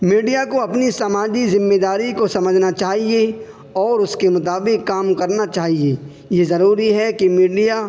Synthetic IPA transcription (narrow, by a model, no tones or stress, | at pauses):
miːɖijakoɐpnisamaːd͡ʒizɪ̃mːeːd̪aːɾikosɐməd͡ʒʱnat͡ʃaːɦie | ɔːɾʊskemʊt̪aːbɪkːaːmkɐɾnat͡ʃaːɦie | jezɐɾuːɾiɦɛkimiːɖija